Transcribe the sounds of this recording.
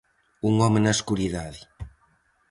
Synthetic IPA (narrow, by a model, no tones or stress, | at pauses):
uŋɔmenaskuɾiðaði